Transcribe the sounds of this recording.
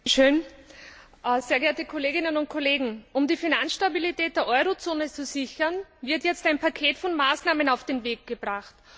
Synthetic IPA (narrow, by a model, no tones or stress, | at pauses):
ʃøːn | zeːɐɡɛːɐtəkʰoleːɡɪnənʊnt̚kʰoleːɡŋ̩ʔʊmdiːfinansʃtabilitʰɛːt̚d̥eːɐʔɔʏʁot͡soːnət͡susɪçɐnvɪɐtjɛt͡staɪnpʰakʰeːtfɔnmaːsnaːmənaʊfd̥eːnveːk̚ɡ̥əbʁaχt